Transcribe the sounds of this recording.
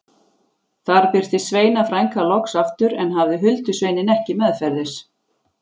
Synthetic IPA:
θaɾpɪɾ̥t̪ɪsveːjnafɾajŋkalɔksaft̪ʏɾɛnɦavðɪɦʏlt̪ʏsveːjnɪnɛhcɪmɛðfɛɾðɪs

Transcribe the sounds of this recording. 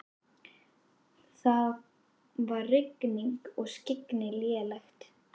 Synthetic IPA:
θað | varrɪkniŋkɔɣscɪknɪljɛːlɛxt̪

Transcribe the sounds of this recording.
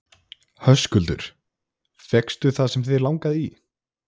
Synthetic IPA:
hœskʏlt̪ʏ̰ɾ̥ | fjɛkst̪ʏθaðsɛmθeðɾlawŋkaði

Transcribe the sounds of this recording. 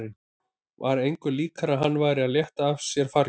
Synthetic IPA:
ɪn | vaɾejŋkʏliːkʰaɾaɦanːvaːjɾɪaðljɛht̪aːfsjɛɾ̥faɾ

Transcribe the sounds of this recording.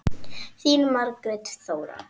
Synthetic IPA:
θiːnmaɾkɾɛt̪θowɾa̰

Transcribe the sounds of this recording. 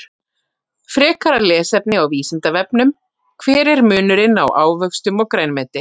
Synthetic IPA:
fɾɛːkaɾalɛːsɛp̚nɪawviːsɪnt̪avɛp̚nʏm | kʰvɛːɾɪɾmʏːnʏɾɪna̰wʔaːwvœkst̪ʏmɔɣkɾeːjnmɛːt̪ɪ

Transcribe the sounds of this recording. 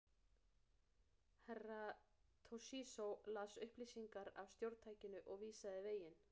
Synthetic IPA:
hɛrːat̪ʰosiːsowlaːsʏhpliːsiŋkaɾa̰wst̪jowɾt̪ʰaːjcɪnʏʔɔɣviːsaðɪveːjɪn

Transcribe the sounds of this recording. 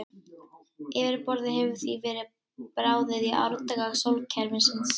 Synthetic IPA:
ɪːvɪɾpɔɾðɪɦɛvʏ̥θvivɛːɾɪ | pɾaːwðɪðiʔa̰wɾt̪aɣaɣsowlcʰɛɾmɪnsɪns

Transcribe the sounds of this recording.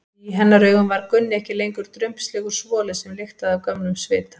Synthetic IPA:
iɦɛnːaɾœːɥɣʏmvaɾkʏnːɪɛhcɪlejŋkʏɾ̥t̪ɾʏjm̥pslɛːɣʏɾ̥svɔːlɪsɛmlɪxt̪aðawkœmnʏmsvɪ̰ːt̪ḁ

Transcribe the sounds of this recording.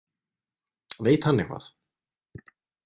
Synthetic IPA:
veːjt̪hanːɪkva̰ːθ

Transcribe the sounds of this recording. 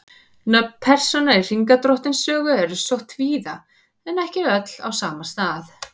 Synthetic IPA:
napʰɛr̥sɔnair̥iŋkat̪ɾɔht̪ɪnsœːɣʏɛɾʏsɔht̪viːða | ɛnɛhcɪœt̪l̥a̰wsaːmast̪aːθ

